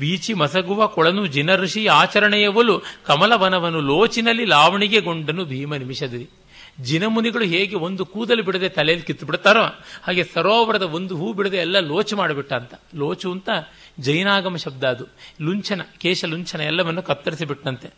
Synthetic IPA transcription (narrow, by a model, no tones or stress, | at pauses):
ʋiːt͡ʃimɐsɐɡuʋɐkɔɭɐnud͡ʒinɐɾuʂijɐaːt͡ʃɐɾɐɳɛjɐʋɐlukɐmɐlɐʋɐnɐʋɐnːuloːt͡ʃinɐlːilaːʋɐɳiɡe̞ɡo̞ɳɖɐnːubʱiːmɐnimiʃɐd̪ɐɾi | d͡ʒinɐmuniɡɐɭuɦeːɡe̞o̞nd̪ukuːd̪ɐlːibiɽɐd̪eːt̪ɐlɛjɐlːikit̪ːubiɽt̪ːaːɾohaːɡe̞sɐɾoːʋɐɾɐd̪ɐond̪uɦuːbiɽɐd̪eɛlːɐloːt͡ʃumaːɽɐbiʈːɐːnt̪ɐ̥loːt͡ʃuːnt̪ɐ | d͡ʒɐjnaːɡɐmɐʃɐb̚d̪aːd̪uluɲt͡ʃʰɐnɐkeːʃɐluɲt͡ʃʰɐnɐɛlːɐʋɐnːukɐt̪ːɐɾisibiʈːɐnt̪e̞